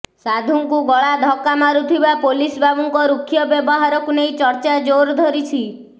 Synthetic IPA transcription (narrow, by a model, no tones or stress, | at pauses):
sad̪ʱuŋkuɡɔɭad̪ʱɔkamaɾut̪ʰibapolisbʱabɔŋkɔɾukʰːjɔbjɔbɔɦaɾɔkunejt͡ʃɔɾt͡ʃad͡ʒoɾd̪ʱɔɾit͡ʃʰi